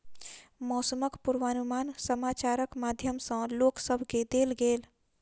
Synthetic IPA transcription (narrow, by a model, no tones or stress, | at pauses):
mɔːsəməkpuɾʋanumansəmat͡ʃaɾəkmad̪ʱjəmsə̃loksəbʱked̪elɡel